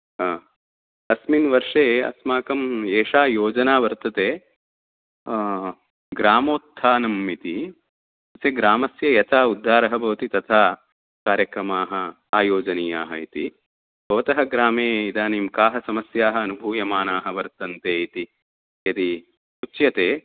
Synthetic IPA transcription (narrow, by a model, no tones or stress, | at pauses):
ɐsminʋɐɾʂeːɐ̰smaːkɐmeːʂaːjoːd͡ʒɐnaːʋɐɾt̪ɐt̪eː | ɡɾaːmoːt̪ʰːaːnɐmːit̪i | ɐseɡɾaːmɐsjɐjɐt̪ʰaːud̪ʱːaːɾɐɦɐbʱɐʋɐt̪it̪ɐt̪ʰaː | kaːɾjɐkɾɐmaːɦɐ | aːjoːd͡ʒɐniːjaːɦɐit̪i | bʱɐʋɐt̪ɐɦɐɡɾaːmeːid̪aːniːmkaːɦɐsɐmɐsjaːɦɐɐnubʱuːjɐmaːnaːɦɐʋɐɾt̪ɐnt̪eːit̪i | jɐt̪i | ut͡ʃːjɐt̪eː